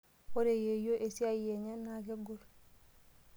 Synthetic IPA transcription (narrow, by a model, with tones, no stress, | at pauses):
ko˦ɾe˨je˨jo˦ʔe˨si˦a˦je˨ɲa˦na˨ɡe˦ɡo˨l